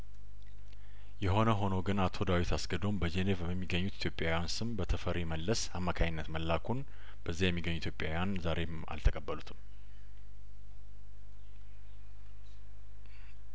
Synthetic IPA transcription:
jɛɦo̞nəɦo̞no̞ɡɨnat̪ʰo̞d̪awit̪ʰasɡəd̪o̞mbəd͡ʒe̞ne̞vjɛmːiɡəɲːut̪it̪jo̞pʼjawjansɨmbət̪ʰəfəɾeməlːəsamːakʰaɲɪnːət̪məlːakʰun | b̥əzːihajɛmːiɡəɲːuit̪jopʼjawjanzaɾe̞ma̰lt̪ʰəkʼəbːəlut̪ʰɨm

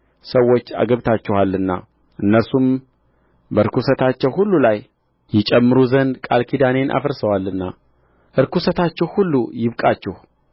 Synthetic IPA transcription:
səwːo̞t͡ʃːa̰ɡəβt̪ʰat͡ʃːɛhalːɨnːa̰ | ʔɨnːəɾsum | bəɾkʰusət̪ʰat͡ʃːɛwhulːulaj | jɪt͡ʃʼɛmːɨɾuzənd̪kʼalkʰid̪ane̞nʔa̰fəɾsəwalːɨnːa̰ | ʔɨɾkusət̪ʰat͡ʃːɛwhulːujɪβkʼat͡ʃːɛhu

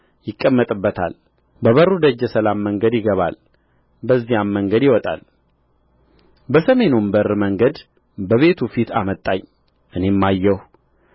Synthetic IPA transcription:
jɪkʼːəmːət̪ʼɨbːət̪ʰa̰l | bəβərud̪əd͡ʒːəsəlamːəŋɡəd̪jɪɡəβa̰l | bəzːijamːəŋɡəd̪jɪwɔt̪ʼa̰l | bəsəme̞numbəɾːɨməŋɡəd̪ | bəβe̞t̪ʰufit̪ʰa̰mət̪ʼːaɲ | ʔɨne̞mːajːɛh

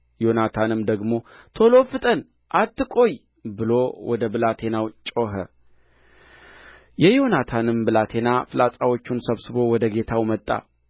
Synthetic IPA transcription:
jo̞nat̪ʰanɨmd̪əɡmo̞t̪ʰo̞lo̞fɨt̪ʼən | ʔat̪ːɨkʼo̞j | bɨlo̞wɔd̪əbɨlat̪ʰe̞nawt͡ʃʼo̞ɦə | jɛjo̞nat̪ʰanɨmbɨlat̪ʰe̞nafɨlasʼawo̞t͡ʃːunsəβsɨβo̞wɔd̪əɡe̞t̪ʰawmət̪ʼːa̰

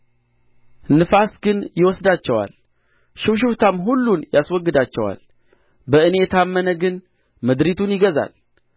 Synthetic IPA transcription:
nɨfasɡɨnjɪwɔsd̪at͡ʃːɛwa̰l | ʃɪwʃ̬ɪwt̪ʰamɦulːunjaswɔɡːɨd̪at͡ʃːɛwa̰l | bəɨne̞jɛt̪ʰamːənəɡɨn | məd̪ɾit̪ʰunjɪɡəza̰l

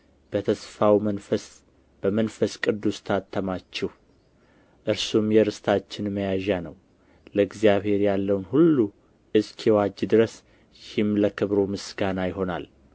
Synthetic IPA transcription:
b̥ət̪ʰəsfawmənfəs | b̥əmənfəskʼɨd̪ːust̪ʰat̪ʰːəmat͡ʃːɪh | ʔɨɾsumjɛɾɨst̪ʰat͡ʃːɪnməjaʒanəw | ləɨɡzijaβhe̞ɾjalːəwnhulːu | ʔɨskʰjɛwad͡ʒd̪ɨɾəs | jɪmləkʰɨβɾomɨsɡanajɪɦo̞na̰l

